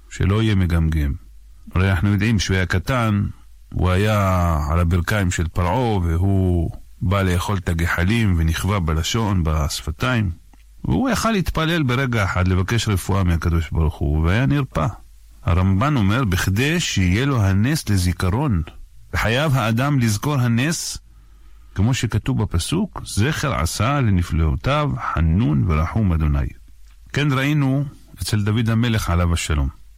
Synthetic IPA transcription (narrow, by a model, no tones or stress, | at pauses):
ʃḛlo̞ije̞meɡamɡim | ɾenaħnujo̞d̪ʕimʃejakat̪an | hṵajaʕa̰labiɾkaimʃelpaɾʕo̞veɦu | baleːχo̞lt̪aɡeħalimveniχvabelaʃo̞nbasfat̪aim | vḛhujaχalːit̪pale̞lbeɾe̞ɡaeħad̪le̞vake̞ʃɾefuʔameakad̪o̞ʃbaɾuχṵveajaniɾpa | ha̰ɾambano̞meɾbiχd̪eʃehijeloɦaneslezikaɾo̞n | v̥eħajavɦaːd̪amlizko̞ɾɦanes | kemo̞ʃekat̪uvapasukzeχeɾʕa̰salenifleṵt̪avħanːunveɾaħumad̪o̞na̰j | kenɾaʔinu | et͡seld̪avid̪hameleχʕalavaʃalo̞̰m